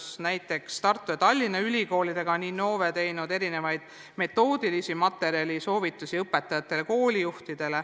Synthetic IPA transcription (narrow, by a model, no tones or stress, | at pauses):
snæjt̪ːˑe̞kst̪ɑrt̪ːˑuet̪ɑlʲːinɑylʲiko̞ːlid̪e̞ɡ̥ɑniːno̞ːvet̪e̞jnud̪e̞ɾine̞vɑjd̪̥̚ | me̞t̪ːˑo̞ːd̪̥ilisimɑt̪ːˑe̞ɾiɑlʲiso̞ːvit̪ːˑusiɤpːˑe̞t̪ːˑɑjɑt̪ːˑe̞leko̞ːlʲijuht̪id̪̥e̞le